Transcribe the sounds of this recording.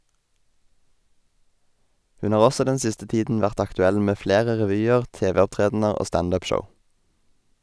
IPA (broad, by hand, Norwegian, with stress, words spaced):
ˈhʉn ˈhɑːʁ ˈɔsɔ ˈdɛn ˈsɪstə ˈtiːdn̩ ˈʋæʁt ɑktʉˈɛl ˈmeː ˈfleːʁə ʁɛˈʋyːəʁ ˈteːˌʋeːɔpˌtʁeːdn̩əʁ ˈoː ˈstɑnd ˈʉːp ˈʃəʊ